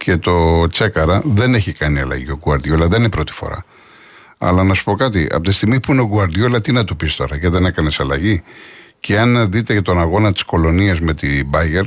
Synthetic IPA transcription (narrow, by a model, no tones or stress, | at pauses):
ce̞t̪o̞t͡sekɐɾɐðe̞ne̞çikɐniɐlɐ̰ʝio̞ɡuɐɾðjolɐðeninepɾo̞t̪i̥fo̞̰ɾɐ̰ | ɐ̰lɐnɐsu̥po̞kɐt̪̬iɐ̰pot̪ist̪iɣmispuineoɡuɐɾðjolɐt̪inɐt̪upist̪o̞̰ɾɐʝɐðene̞kɐnesɐlɐʝi | ceɐnðit̪e̞t̪o̞nɐɣo̞nɐt̪i̥sko̞lo̞niɐzme̞t̪ibɐʝeɾ